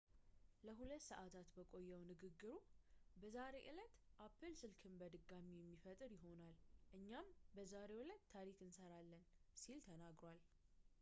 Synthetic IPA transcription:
ləɦulət̪ːsəʔat̪ʰat̪bəkʼo̞jːɛwnɨɡɨɡːɨɾubəzaɾe̞ʔɨlət̪ʔapʰːɨlsɨlkʰɨmbəd̪ɨɡamijɛmːifət̪ʼɨɾjɪɦo̞nalʔɨɲːambəzaɾe̞wʊlət̪ʰːaɾikɨnsəɾalːənsilt̪ʰənaɡɾwal

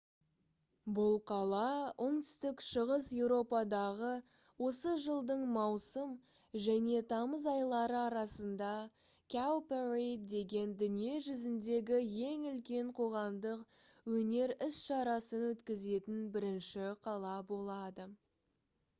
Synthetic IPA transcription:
bʊlˠqʰɑlˠɑʊɴt̪ʏ̥st̪ɪkʃəʁəsje̞wɾo̞pɑd̪ɑʁə | wo̞səʒəlˠd̪əɴmɑwsəm | ʒæne̞t̪ʰɑməzɑjlˠɑɾəɑɾɑsənd̪ɑ | kʲawperejt̪d̪e̞ɡʲe̞nd̪ʏnije̞ʒʏzɪnd̪e̞ɡʲɪje̞ŋʏlkʲe̞ɴqʰo̞ʁɑmd̪əq | wɵne̞ɾɪsʃɑɾɑsənwɵt̪kʲɪze̞t̪ɪnbɪɾɪnʃɪqʰɑlˠɑbo̞lˠɑd̪ə

